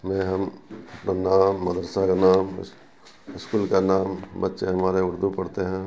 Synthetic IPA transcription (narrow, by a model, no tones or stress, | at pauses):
mɛ̃ːɦɐmɐpnanaːmːɐd̪əɾsakanaːm̰ | ɪskuːlkanaːmbətːʃeɦɐmaːɾeʊɾd̪upɐɽt̪eɦɛ̃ː